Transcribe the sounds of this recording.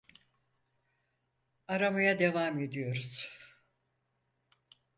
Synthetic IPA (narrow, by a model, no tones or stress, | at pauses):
aɾamajad̪e̞vame̞d̪ijo̞ɾuz̥